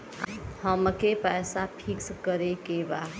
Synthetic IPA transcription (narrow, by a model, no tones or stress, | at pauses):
həmkepɛsapʰikskəɾekeba